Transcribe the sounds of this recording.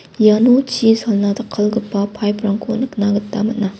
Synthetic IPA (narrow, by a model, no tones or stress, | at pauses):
janot͡ʃisalnadɐkʰːɐlɡɯpːapʰajpʰɾaŋkʰonɯknaɡɯttːamɐt̚na